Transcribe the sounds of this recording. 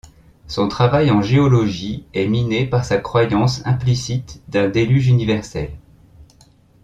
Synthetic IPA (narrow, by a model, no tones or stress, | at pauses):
sɔ̃t̪χavajɑ̃ʒeɔlɔʒiɛminepaʁsakχwajɑ̃sɛ̃plisit̪d̪ɛ̃d̪elyʒynivɛʁsɛ̰l